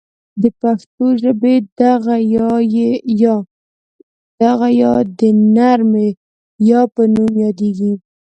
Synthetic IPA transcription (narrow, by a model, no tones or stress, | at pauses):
d̪əpaxt̪oʒəbed̪aɣajɑjejɑ | d̪̥aɣajɑd̪ənaɾme | jɑpənumjɑd̪eɡi